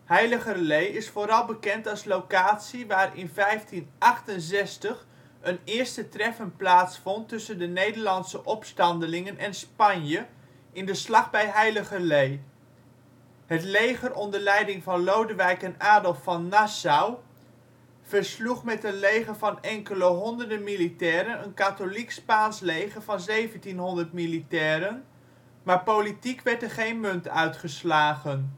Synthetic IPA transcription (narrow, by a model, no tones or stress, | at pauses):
hɛjləχəlejɪsfoːɾɑlˠbəkɛntɑlˠslowkaːtsiʋaːɾɪ̰nvɛjftinʔɑχtənzɛstəχ | ənɪːɹstətrɛfənplaːtsfɔntːɵsəndənejdəɹlɑntsəʔɔpstɑndəlɪŋənʔɛnspɑnjə | ɪndəslɑχbɛjɦɛjləχəlej | ɦətlejχərɔndəɹlɛjdɪŋvɑnlowdəʋɛjkɛnaːdəlˠfɑnːasaw | v̥əɹsluχmɛtənlejχəɹvɑnɛŋkələɦɔndəɹdəmilitɛːɾənənkatolikspaːnslejχəɹvɑnzejvəntinɦɔndəɹtmilitɛːɾən | maːɹpowlitikʋɛɹtəɹχejnmɵntœɥtχəslaːχən